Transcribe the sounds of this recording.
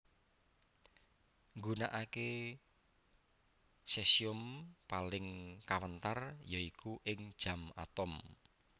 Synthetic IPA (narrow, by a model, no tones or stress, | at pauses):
ŋɡuna̰ʔake | sɛsiʊmpalɪŋkawənt̪arjɔikʰuʔɪŋd̥ʒ̥ä̤ma̰t̪ɔm